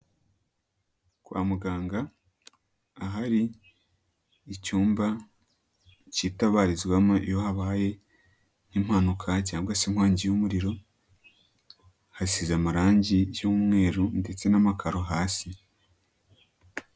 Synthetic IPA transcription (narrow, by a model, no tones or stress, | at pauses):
kwa̰ːmuɡaːŋɡa | ɦaɾi | cuːmba | citaβaːɾizwamaʔijohaβaːje̞ | n̥im̥hanukʰacaːŋɡwasim̥haːɲɟijumuɾiɾo̞ | hasizamaɾaːɲɟijumŋe̞ːɾunde̞t͡se̞namakʰaɾo̞ɦaːsi